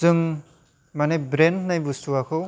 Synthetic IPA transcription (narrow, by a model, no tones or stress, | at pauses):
zɯŋ | manebɾendnajbusuakʰɯ